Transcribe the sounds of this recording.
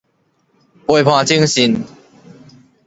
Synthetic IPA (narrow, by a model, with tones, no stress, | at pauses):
we˧˩pʰwã˧t͡ɕi˦ŋɕi˧n